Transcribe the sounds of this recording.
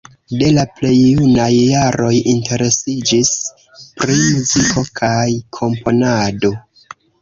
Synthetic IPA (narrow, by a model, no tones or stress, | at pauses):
de̞laple̞jːunajːaɾo̞jinte̞ɾe̞sid͡ʒis | pɾimuzikʰo̞kʰajkʰo̞mpʰo̞nado̞